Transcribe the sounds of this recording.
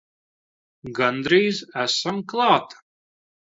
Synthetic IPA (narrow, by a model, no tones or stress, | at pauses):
ɡand̪ɾiːzæsamklˠɑːt̪